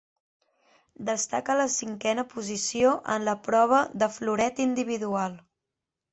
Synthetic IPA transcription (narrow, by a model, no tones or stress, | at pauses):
d̪əst̪akələsiŋkɛnəpuzisioʔə̰nləpɾɔβ̞əðəfluɾɛt̪ind̪iβ̞iðualˠ